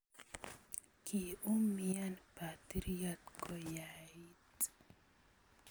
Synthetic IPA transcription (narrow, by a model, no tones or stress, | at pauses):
kʰiumijanpat̪iɾijat̪kɔjaitt̪